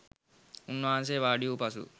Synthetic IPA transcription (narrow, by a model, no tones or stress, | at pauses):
unːuaːns̬eːʋaːɖijuːpɐsṵ